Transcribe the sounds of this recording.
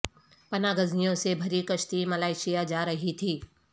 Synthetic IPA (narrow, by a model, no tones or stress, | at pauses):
pɐnaɡɐznijõsebʱɐɾikɐʃt̪imɐlaːɪʃijad͡ʒaːɾɐɦit̪ʰiː